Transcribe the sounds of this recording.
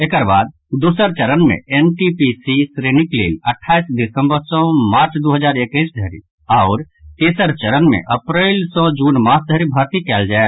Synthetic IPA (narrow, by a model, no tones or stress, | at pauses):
eːkəɾba̰ːd̪̚ | d̪uːsəɾt͡ʃəɾənmḛ̃enʈipisisɾeːnɪklḛːləʈʰːaːisd̪ɪsə̃mbəɾsɔ̃maːɾt͡ʃʰd̪oːɦəd͡ʒaːɾekəɪsd̪ʱəɾḭ | ɔʊɾ | t̪eːsəɾt͡ʃəɾənmḛ̃ʔəpɾɛɪlsɔ̃d͡ʒuːnmaːsd̪əɾibʱaɾt̪ikɛːld͡ʒaːe